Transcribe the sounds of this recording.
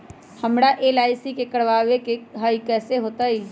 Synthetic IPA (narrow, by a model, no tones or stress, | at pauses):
həmɽaʔeːlaːɪsikekəɽʋaːʋekeɦaːjikɛːseɦoːt̪aɦiː